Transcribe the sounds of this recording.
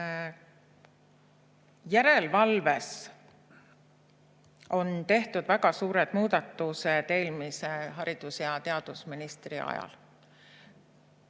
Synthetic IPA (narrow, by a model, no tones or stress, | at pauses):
jæɾe̞lvɑlve̞s | o̞nt̪e̞ht̪ud̪̥væɡɑsuːɾed̪̥muːd̪̥ɑt̪ːˑuset̪e̞ːlmiseɦɑɾid̪̥usjɑt̪e̞ɑd̪̥usminist̪riɑ̰jɑ̰l